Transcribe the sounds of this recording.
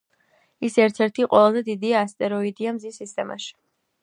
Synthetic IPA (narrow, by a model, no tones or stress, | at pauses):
isɛɾt̪ʰɛɾt̪ʰiqʼwɔlazɛd̪id̪iaːst̪ʼɛɾɔid̪iamzisːist̪ʼɛma̰ʃi̥